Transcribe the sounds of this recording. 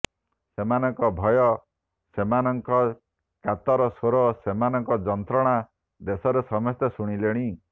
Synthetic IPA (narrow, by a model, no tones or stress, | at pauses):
semanɔŋkɔbʱɔjɔ | semanɔŋkɔ | kat̪ɔɾɔsoɾɔsemanɔŋkɔd͡ʒɔnt̪ɾɔɽ̃a | d̪esɔɾesɔmɔst̪esuɽ̃ileɽ̃i